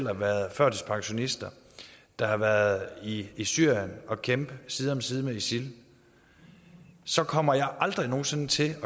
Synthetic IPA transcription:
l̰ɐʋæːɐðˠfɶɐ̰d̥ispʰɑ̈ŋɕo̝nisd̥ɐ | d̥ɑ̈hɑ̈ʋæɐðˠiisyɐ̰jənɒ̽kʰemb̥əsiːð̩ˠɒ̽msiːð̞ˠmeisil | sɒ̽kʰɒ̽m̰ɐjɑ̈ɪʔɑ̈ld̥ʁino̝ːsent͡sʰe̝lɒ̽

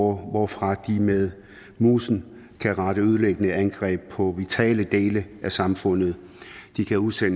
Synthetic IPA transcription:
ʋɒfʁɑ̈d̥imeð̞ˠ | muːsn̩ | kʰæʁɑ̈ɾ̥əøð̞ˠleɡ̥ənəænɡ̥ʁɛ̰ːb̥̚pʰɒ̽ʋit͡sʰɛ̰ːləd̥e̝ːləʔæsɑ̈mfɔ̽n̰ð̞̩ˠ | d̥ikʰæuðˠsen

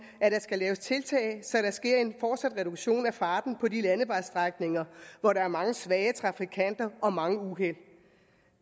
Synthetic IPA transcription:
æɾ̥ɑ̈sɡ̥ælɛːʊst͡sʰe̝lt͡sʰɛ̰ːɪsɒ̽ɾ̥ɑ̈sɡ̥e̝ɐ̰e̝nfɒːd̥sæd̥ʁɛɾ̥uɡ̥ɕo̝̰ːnæfɑ̈ːd̥n̩pʰɒ̽dilænəʋɑ̈ɪsd̥ʁɑɡ̥ne̝ŋɐʋɒɾɑ̈æɐmɑ̈ŋəsʋɛːət͡sʰʁɑ̈fikʰæn̰d̥ɐʔɒ̽mɑ̈ŋəuɦel̰

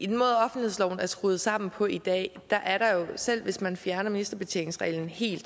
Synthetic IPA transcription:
id̥enmɔ̽ːðˠɒ̽fnd̥ihe̝̰slɒ̰ʊn̩æɐsɡ̥ʁuːð̞̩ˠsɑ̈m̰n̩pʰɒ̽id̥ɛ̰ːd̥ɑ̈ʔæɐɾɑ̈jo̝sel̰ʋe̝smænfjæɐnɐminisd̥ɐb̥e̝t͡sʰeneŋsʁɛ̰ɪln̩he̝̰ːld̥

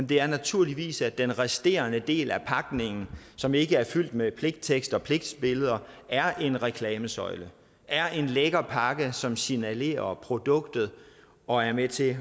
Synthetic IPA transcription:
d̥e̝æɐnæt͡sʰuɐ̰liʋḭːsæd̥enʁɛsd̥e̝̰ːɐnəd̥e̝̰ːlæpʰɑ̈ɡ̥ne̝ŋn̩sɒ̽me̝ɡ̥əæɐfyl̰d̥mepʰle̝ɡ̥d̥t͡sʰeɡ̥sd̥ɒ̽pʰle̝ɡ̥̚d̥sb̥e̝ləð̞ˠɐæɐʔe̝nʁɛkʰlɛːməsɒ̽ɪlə | ʔæɐʔe̝nleɡ̥ɐpʰɑ̈ɡ̥əsɒ̽msinæle̝̰ːɐpʰʁo̝d̥ɔ̽ɡ̥d̥ð̞̩ˠ | ɒ̽æɐmet͡sʰe̝

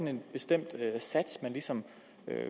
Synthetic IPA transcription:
ne̝nb̥e̝sd̥em̰d̥øsæd̥smænlisɒ̽m | ø̰

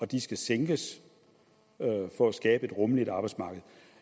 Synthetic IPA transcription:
ɒ̽d̥isɡ̥æseŋɡ̥əs | fɒ̽æsɡ̥ɛːb̥əe̝d̥ʁɔ̽məlid̥ɑ̈ːb̥ɑsmɑ̈ːɡ̥əð̞̩ˠ

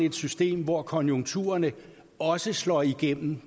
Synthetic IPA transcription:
e̝d̥sysd̥e̝̰ːmʋɒkʰɒ̽njoŋt͡sʰṵːɐnə | ɒ̽səslɒ̰ːiɡ̥en̰m̩

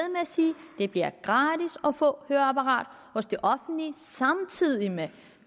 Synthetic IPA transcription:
ðˠmeæsiːd̥e̝b̥liɐɡ̥ʁɑ̈ːd̥isɒ̽fɔ̰̽høːɐæpʰɑʁɑ̰̈ːd̥ | hɔ̽sd̥e̝ʔɒ̽fn̩d̥lisɑ̈mt͡sʰið̰ˠime

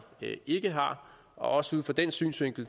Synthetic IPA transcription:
e̝ɡ̥əɦɑ̈ | ɒ̽ʔɒ̽səuð̞ˠfɒ̽d̥ensy̰ːnsʋe̝ŋ̰ɡ̥l̩

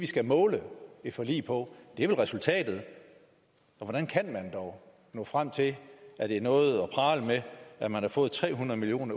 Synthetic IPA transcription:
ʋisɡ̥æmɔ̽ːləe̥fɒ̽lḭːpʰɒ̽d̥e̝ɐʋe̝lʁɛsult͡sʰɛ̰ːd̥ð̞̩ˠ | ɒ̽ʋɒɾ̥ænkʰænmænd̥ɒʊ | nɔ̰̽ːfʁam̰t͡sʰe̝æɾ̥e̝ɐnɔ̽ːð̞̩ˠɒ̽pʰɑ̈ːləmeæmænhɑ̈fɔ̽ːð̩ˠt͡sʰʁɛ̰ːɦunɐð̩ˠmilio̝̰ːnɐ

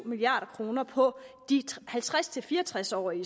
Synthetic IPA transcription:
miliɑ̰̈ːɾ̥ɐkʰʁo̝ːnɐpʰɒ̽d̥ihælt͡sʰʁast͡sʰe̝lfiːɐɒt͡sʰʁasɒ̰ːi

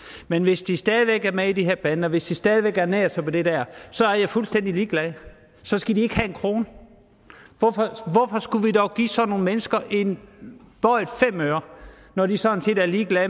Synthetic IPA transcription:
menʋe̝sd̥isd̥ɛːð̞ˠiʋeɡ̥æɐmeid̥ihe̝ɐ̰b̥ænəɒʋe̝sd̥isd̥ɛːð̞ˠiʋeɡ̥æɐneɐsɑ̈ɪpʰɒ̽d̥e̝d̥æɐ̰sɒ̽æɐjɑ̈ɪfulsd̥en̰d̥iliːɡ̥lɛð | sɒ̽sɡ̥ædie̝ɡ̥ɦæe̝nkʰʁo̝ːnə | ʋɒfɒʋɒfɒ̽sɡ̥uʋidɒʊɡ̥ḭːsɒ̽no̝ːn̩menəsɡ̥ɐʔe̝nb̥ɒɪd̥fem̰øːɐ | nɒd̥isɒ̽ent͡sʰe̝̰ːd̥æɐliːɡ̥lɛ

